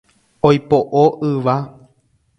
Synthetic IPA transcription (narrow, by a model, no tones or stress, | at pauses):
ojpoʔoʔɨʋa